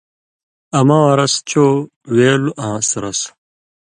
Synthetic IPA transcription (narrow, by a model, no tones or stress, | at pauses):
ɐmãwɐɾɐst͡ɕʰoː | weːluʔãːsɾɐs